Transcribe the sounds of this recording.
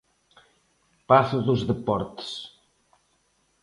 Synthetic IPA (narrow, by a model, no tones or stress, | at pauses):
paθuðuzðəpɔɾt̪s